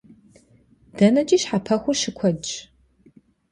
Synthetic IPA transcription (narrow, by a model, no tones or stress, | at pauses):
d̥ɐnɐt͡ʃʼiːʃħapʰɐxʷʊʃɪkʷʰɔd͡ʒ